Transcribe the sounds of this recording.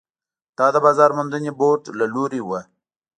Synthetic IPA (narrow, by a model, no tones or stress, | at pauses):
d̪̥ɑd̪əbɑzɑɾmʊnd̪əneboʈlaloɾewə